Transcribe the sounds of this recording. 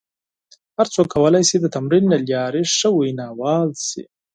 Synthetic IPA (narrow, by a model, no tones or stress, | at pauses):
haɾt͡sokʰːawəlajsid̪ət̪amɾinːaljɑɾiʂəwajnɑwɑːlsḭ